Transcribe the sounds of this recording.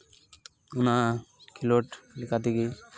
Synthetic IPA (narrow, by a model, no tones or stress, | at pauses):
unakʰiloʈlikat̪iɡi